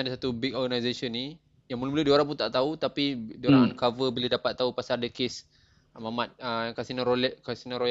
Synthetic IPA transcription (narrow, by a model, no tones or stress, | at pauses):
dasat̪ubik̚ɔɡanajzesənːi | jaŋmulumulədioɾãŋp̬unt̪aʔt̪aut̪apidioɾaŋnkavəbiladapat̪ːaupasardəkes | mamat̪̚əkasinəɾolɛkasinəɾo